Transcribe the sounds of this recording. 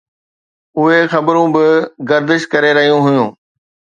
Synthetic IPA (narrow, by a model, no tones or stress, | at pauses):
ʊɦexɐbɾũbɪɡɐɾd̪ɪʃkɐɾeɾɐɦijũɦʊjũː